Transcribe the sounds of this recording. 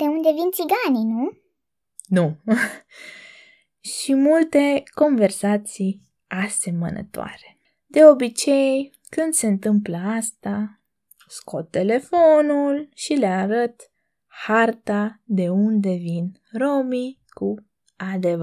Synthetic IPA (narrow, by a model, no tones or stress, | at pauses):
d̪̥e̞und̪e̞vint̪siɡaninu | nu | ʃimult̪e̞ko̞nve̞rsat̪sij | ase̞mə̰nʔə̰t̪oa̰ɾe̥ | d̪e̞o̞bit͡ʃe̞j | kɨnd̪se̞ɨnt̪ɨmpləast̪a | sko̞t̪ːe̞le̞fo̞nulʃileaɾət̪ | hart̪ad̪e̞und̪e̞vin | ro̞mi | ku | ad̪e̞v